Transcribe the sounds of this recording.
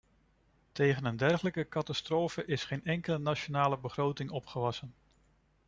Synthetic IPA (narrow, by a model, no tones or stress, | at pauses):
tejχənəndɛrχələkəkɑtɑstroːfəʔɪsχejnɛŋkələnat͡ʃonaːləbəχrowtɪŋɔpχəʋɑsən